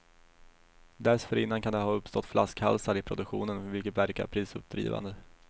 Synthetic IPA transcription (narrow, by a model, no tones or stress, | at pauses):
d̪æɾsfœɾɪnːankʰand̪ɛɦɑːɵpːst̪ɔt̪ːfla̰skha̰lsaɾɪpʰɾʊd̪ɵkɧṵːnənvɪlkət̪væɾka̰ɾpʰɾiːsɵ̰p̚d̪ɾḭːva̰nd̪ə